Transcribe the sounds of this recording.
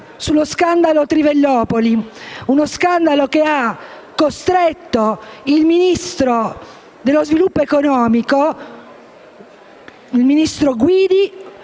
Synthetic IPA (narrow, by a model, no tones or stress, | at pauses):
sulːoskand̪alot̪ɾivelːɔːpoliunoskand̪alokeakːost̪ɾet̪ːoilminist̪ɾo | d̪elːozvilupːoekonɔːmiko | ilminist̪ɾoɡwiːd̪i